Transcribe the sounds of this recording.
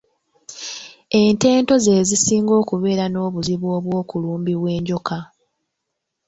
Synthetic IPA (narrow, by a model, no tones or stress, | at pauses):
e̞nte̞ːnto̞ze̞ːzisiːŋɡo̞ːkuβe̞ːɾano̞ːβuziβwo̞ːβwoːkuluːmbiβwe̞ːɲɟo̞ka